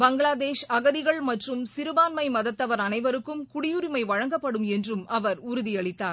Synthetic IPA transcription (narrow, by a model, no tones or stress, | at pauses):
bɐŋɡɭaːðeːʂɐɣɐðɪɣɐɭmɐʈrɯmsɪɾɯʋaːnmɐɪmɐðɐt̪ːɐʋɐɾɐnɐɪʋɐɾɯkːɯmkʊɽɪjɯɾɪmɐɪʋɐɻɐŋɡɐpːɐɽɯmɛndrɯmɐʋɐɾʊɾʊðiɐɭɪt̪ːaːɾ